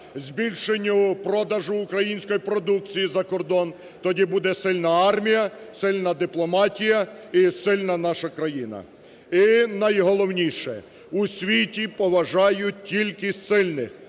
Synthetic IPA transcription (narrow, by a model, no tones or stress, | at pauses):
zʲbʲilʲʃenʲːʊpɾɔd̪ɐʒʊːkɾɐjinʲsʲkɔjipɾɔd̪uk̚t͡sʲijizɐkɔrd̪ɔn | t̪ɔdʲibud̪ɛsɪlʲnɐɑrmʲijɐsɪlʲnɐd̪ɪplˠɔmɑtʲijɐisɪlʲnɐnɑʃɐkɾɐjinɐ̰ | inɐjɦɔlˠɔwnʲiʃɛ̰ | usʲʋʲitʲipɔʋɐʒɑjʊt̚ʲtʲːilʲkɪsɪlʲnɪx